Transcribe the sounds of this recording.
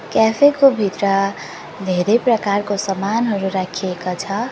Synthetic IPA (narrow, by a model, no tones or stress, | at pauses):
kɛpʰekobʱit̪ɾʌ | d̪ʱeɾepɾəkaɾkosʌmanɦʌɾuɾakʰiekat͡ʃʰʌ